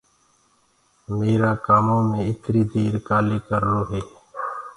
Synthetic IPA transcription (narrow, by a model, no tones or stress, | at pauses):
meːɾaːkaːmõːmẽːɪt̪ɾiːd̪eːɾkaːleːkəɾɾoːɦeː